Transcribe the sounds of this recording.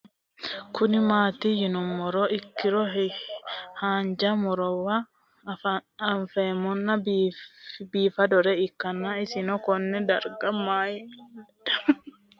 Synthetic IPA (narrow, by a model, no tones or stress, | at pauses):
kʰʊnɪmaːt̪ijɪnʊmːɔɾɔɪkːɪɾɔɦ | haːnd͡ʒɐmɔɾɔwa | ɐɱfɛmɔnːɐb | biːfɐd̪ɔɾɛɪkːɐnːaːɪsɪnɔkɔnːɛd̪ɐɾɡɐmːaːjɪ